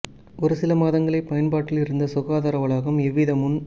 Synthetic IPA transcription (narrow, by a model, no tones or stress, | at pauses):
ʔɔɾɯsɪlɐmaːðɐŋɡɐɭɐɪpːɐjɐnpaːʈːɪlɪɾɯnd̪ɐsʊɣaːðaːɾɐʋɐɭaːɣɐmɛʋːiðɐmʊn